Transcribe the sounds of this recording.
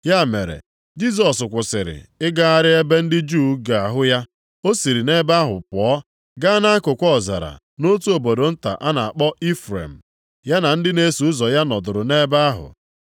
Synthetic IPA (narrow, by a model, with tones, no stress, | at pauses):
ja˦˨me˨ɾḛ˨ | d͡ʒi˦s̬ɔ˨sʊ˨kʷʊ˨sɪ˨ɾɪ̰˨ɪ˦ɡa˦a˦ɾɪ˦e˦be˦n̩˦dɪ˦d͡ʒuː˦ɡa˨a˨ɦʊ˦ja˦ | o˦si˨ɾi˨ne˦ba˦ɦʊ˨pɔ˨˦ | ɡa˦na˦a˦kʊ˨kʷɔ˦˨za̰˨ɾa̰˨ | no˦tu˦o˨bo˨do˨n̩˦ta̰˨ʔa˦na˨a˨k͡pɔ˦i˦fɾḛ˨m̩˨ | ja˦na˨n̩˦dɪ˦ne˦su˨ʊ˦zɔ˨ja˦nɔ˨dʊ˨ɾʊ˨ne˦ba˦a˦ɦʊ̰˨